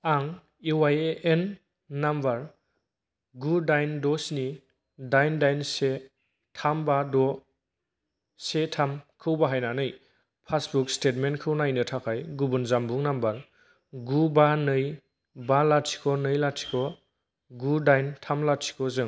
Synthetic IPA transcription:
aŋ | iwajeʔenː | ambaɾ | ɡudajndɔsni | dajndajnse | tʰambadɔ | setʰamkʰɯwbaɦajnanɯj | pʰasbukstet̚menkʰɯwnajnɯtʰakʰajɡubunzambuŋnambaɾ | ɡubanɯj | balatʰi̥kʰɔnɯjlatʰi̥kʰɔ | ɡudajntʰamlatʰi̥kʰɔzɯŋ

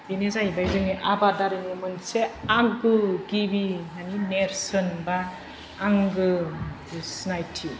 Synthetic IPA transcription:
binezajbajzɯŋniʔabadaɾɯnimɯnseaŋɡɯɡibimanineɾsɔnbaː | ŋɡɯ | snajtʰi

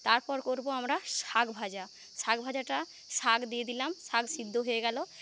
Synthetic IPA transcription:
t̪aɾpɔɾkoɾboamɾaʃaɡbʱad͡ʑa | ʃaɡbʱad͡ʑaʈa | ʃaɡd̪ijed̪ilamʃaɡsid̪ʱːoɦojeɡɛlo

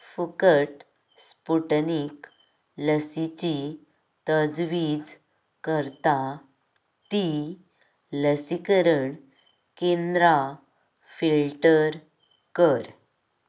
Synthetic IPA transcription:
fəkəʈ | spuʈnik | ləsit͡ɕi | t̪əd͡zʋid͡z | kəɾt̪a | t̪i | ləsikəɾəɳ | kẽnd̪ɾa | fillʈəɾ | kəɾ

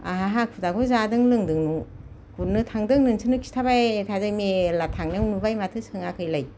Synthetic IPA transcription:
a̰ɦaɦakʰɯdakʰɔzadɯŋlɯŋdɯŋnu | kunɯtʰaŋdɯŋnɯŋsʰɯnɯkʰi̥stʰabajtʰazajmelatʰaŋnɯŋnubajmatʰɯsɯŋakʰɯjlaj

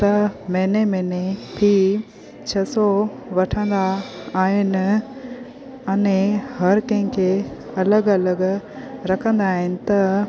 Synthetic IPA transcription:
t̪ɐmɛːnemɛ̃ːnebʱi | t͡ɕʰɐso | ʋɐʈʰə̃nd̪aː | ɦɪnɪ̆ | ɐnẽhɐɾkɐ̃ɦɪ̃kʰeɐləɡɐləɡ | ɾɐkʰə̃nd̪aːɦɪnɪ̆t̪ɐ

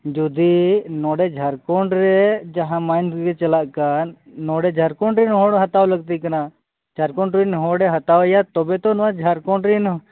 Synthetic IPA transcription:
d͡ʒud̪inɔɽɛd͡ʒʱaɾkɔɳɖɾɛd͡ʒaɦãmajnɡɛt͡ʃɐlaʔkanːɔɽɛd͡ʒʱaɾkɔɳɖɾɛnɦɔɽɦat̪awləɡ̚t̪ikɐna | d͡ʒʱaɾkɔɳɖɾinɦɔɽɛɦat̪awjat̪ɔbɛt̪ɔnɔwad͡ʒʱaɾkɔɳɖɾin

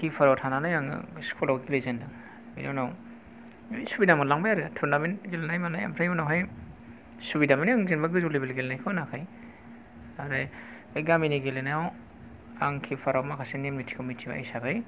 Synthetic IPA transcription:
kʰipʰaɾawtʰananajaŋ̰skʰulawɡilejzendɯŋ | bḭdownaw | subidamalaŋbajaɾɯtʰuɾnabenɡelenajmanaja̰mɾʰajunawɦaj | subidamaniaŋzenbaɡɯzulibelɡelnajkʰɯwanakʰaj | aɾa | jɡaminiɡelenajaw | aŋkʰipʰaɾawmakʰasenemnitʰi̥komitʰiba̰a̰jsabaj

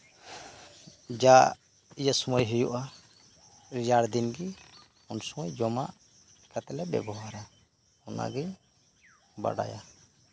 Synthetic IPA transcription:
d͡ʒa | ijasumɔjɦijuʔa | ɾid͡ʒaɽd̪inɡi | unsumɔjd͡ʒɔmaʔ | kɛt̪lɛbɛ̰bɔwaɾa | ɔna̰ɡiɲ | ba̰ɽa̰ja

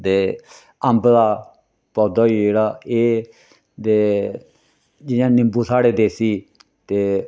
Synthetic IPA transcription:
d̪eː | əmblaː | pɔːd̪aːiːd͡ʒeːɽaːeː | d̪eː | d͡ʒɪjãːnɪmbuːsaːɽeːd̪eːsiː | t̪eː

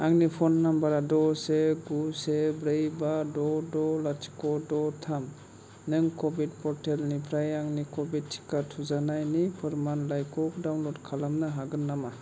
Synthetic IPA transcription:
aŋnipʰɔnːambaɾadɔseɡusebɾejbadɔdɔlatʰi̥kɔdɔtʰam | nɯŋkɔbid̚pʰɔɾtʰelnipʰɾajaŋnikɔbit̚tʰːi̥katʰuzanajnipʰɯɾmanlajkɔk̚dawnlɔt̚kʰalamnaɦaɡɯnːama

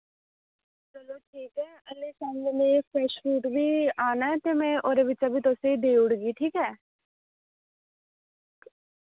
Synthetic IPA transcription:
t͡ʃəloːʈʰiːkɛːəlːeːsə̃ŋɡneːpʰɾɛːʃfuːʈʋiːaːnaːɛt̪eːmɛ̃ːʔoːɾeːʋɪt͡ʃaːbiːt̪oseid̪eːʊɽɡiːʈʰiːkɛː

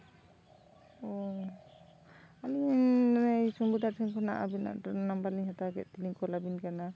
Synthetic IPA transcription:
ɔ | ali | ajsumbud̪atʰɛŋkʰɔna̰ʔa̰bina̰ʔnambaliŋhataɡɛ̰t̚tiliŋkɔlabinkana

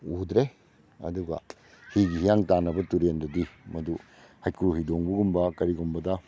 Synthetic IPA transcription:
udɾe | ɐ̰duɡɐ̰ | hiɡiɦijaŋtanɐbɐtuɾendɐdimɐdu | hajkɾuɦidoŋbuɡumbɐkɐɾiɡumbɐdɐ

